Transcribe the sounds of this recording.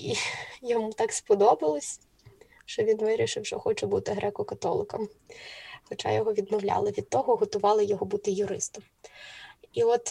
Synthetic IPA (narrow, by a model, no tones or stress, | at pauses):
ijɔmut̪ɑkspɔd̪ɔbɪlˠɔsʲ | ʃt͡ʃɔʋʲinʋɪɾʲiʃɪwʃɔxɔt͡ʃɛbut̪ɪɦɾʔɛkɔkɐt̪ɔlˠɪkɐm | xɔt͡ʃa̰jɔɦɔʋʲid̪mɔwlʲa̰lˠɪʋʲid̪̚t̪ːɔɦɔɦɔt̪ʊʋɑlˠɪjɔɦɔbut̪ɪjʊɾɪst̪ɐm | iɔt̪